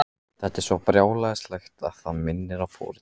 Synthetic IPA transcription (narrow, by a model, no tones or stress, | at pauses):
θɛht̪ɛɾ̥svɔpɾjaːwlaɪst̪laxt̪a̰ðθaðmɪnːɪɾawfɔ̰ːɾɪ